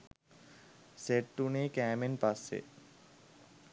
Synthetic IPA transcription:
seʈʈunekɛːmenpasːḛ

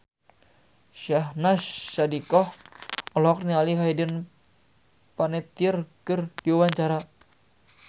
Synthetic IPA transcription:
ʃahnaʃːadikɔhɔlɔk̚nialiɦajdən | panɛt̪iərkɨrdiawaɲt͡ʃaɾa

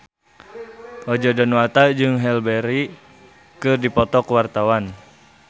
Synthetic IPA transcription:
ʔɔd͡ʒɔdɔnwat̪ad͡ʒɨŋɦɛlbɛɾi | kɨrdipɔt̪ɔkwart̪awan

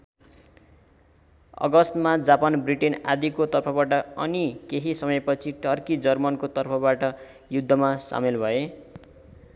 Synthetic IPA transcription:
ʌ̰ɡʌst̪mad͡zapanbriʈena̰d̪ikot̪ʌrpʰʌbaʈʌʌnikeɦisʌmʌjpʌt͡sʰiʈʌrkid͡zʌrmʌnkot̪ʌrpʰʌbaʈʌ | jud̪ʱːʌmasa̰milbʱʌe

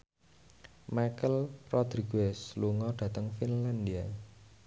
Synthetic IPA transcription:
makəlrɔd̪̥ɾiɡɛsluŋɔɖ̪̥ä̤t̪əŋfinland̪ia

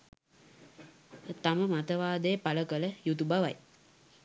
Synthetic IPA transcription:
t̪aməmat̪əʋaːd̪əjəpaləkələjut̪ubaʋa̰j

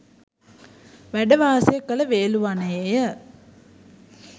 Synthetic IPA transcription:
ʋæɖəʋaːsjəkːələʋeːluʋanəjejə

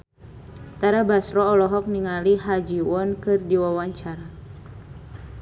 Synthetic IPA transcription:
t̪aɾabasɾɔːlɔɦɔk̚niŋaliɦad͡ʒiwɔnkɨrdiwawaɲt͡ʃaɾa

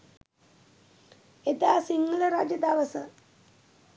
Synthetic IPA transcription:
et̪aːsiŋɡɐlɐɾaːd͡ʑjɐd̪aːʋɐsɐ̰

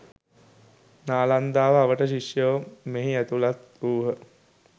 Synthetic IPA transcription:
naːland̪aːʋəaʋəʈəʃiʂjəʋmeɦiæt̪ulat̪uːɦə

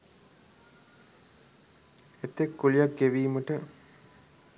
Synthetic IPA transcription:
et̪ːekːulijakɡeʋiːməʈə

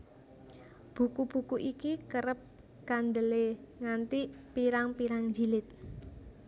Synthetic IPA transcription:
b̥ṳkub̥ukuʔikikəɾəp̚ | kand̪əleŋant̪ipiɾaŋpiɾaŋɲd͡ʒilɪt̪̚

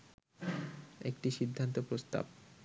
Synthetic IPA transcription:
ekʈiʃid̪ʱːant̪opɾost̪a̰b̚

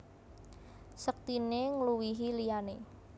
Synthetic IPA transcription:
sək̚t̪ineŋluwiɦilijane

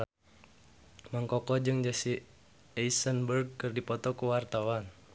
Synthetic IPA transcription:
maŋkɔkɔd͡ʒɨŋd͡ʒasi | ɛisənbərɡ̚kɨrdipɔt̪ɔkuwart̪awan

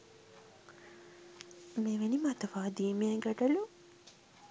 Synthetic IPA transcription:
meʋenimat̪ɐʋaːd̪iːmeeɡɐɖɐlu

